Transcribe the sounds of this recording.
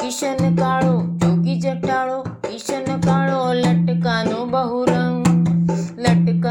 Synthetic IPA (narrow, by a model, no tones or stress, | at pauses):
kɪʃənkaːɭoːd͡ʒoːɡid͡ʒɐʈaːɭoːkɪʃənkaːɭolɐʈkaːnõbəɦuɾə̃ŋ | lɐʈka